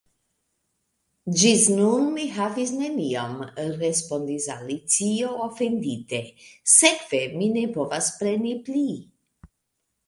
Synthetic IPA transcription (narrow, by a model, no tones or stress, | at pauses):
d͡ʒisnunmiɦavis̬nemiomərespond̪isa̰lit͡sioofend̪it̪esekveminepovaspɾenipli